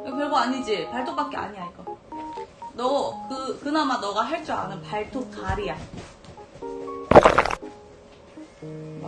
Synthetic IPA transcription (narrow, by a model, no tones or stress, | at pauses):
ekjʌɭɡoaɲid͡ʑipaɭt͈ʰokp͈ak͈̚ea̰ɲiaik͈a | nʌkɯkɯnamanʌɡaɦeɭt͡ɕ͈oa̰nɯnpaɭtʰokaɾija